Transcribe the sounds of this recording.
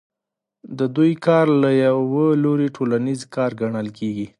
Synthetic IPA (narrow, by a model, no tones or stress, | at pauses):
d̪əd̪ujkɑɾlajawwəloɾiʈʰolanizkɑɾɡaɳəlkʰeɡi